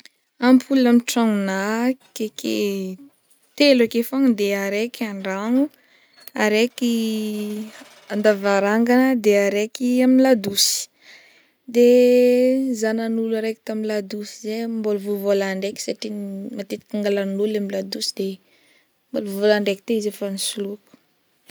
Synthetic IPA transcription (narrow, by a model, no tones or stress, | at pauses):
ampʰulnamiʈ͡ʂaŋunakekʰḛ | t̪elakefaŋd̪eaɾekʰaɳɖ͡ʐaŋu | aɾeki | and̪avaɾaŋɡanəd̪eaɾekiaminlad̪usi̥ | d̪e | zananulaɾeki̥t̪aminlad̪usizemboluvuvolaɳɖ͡ʐeki̥saʈ͡ʂimat̪et̪i̥kʲaŋɡalanulamilad̪usid̪e | moluvolaɳɖ͡ʐeki̥t̪eizefanisuluku̥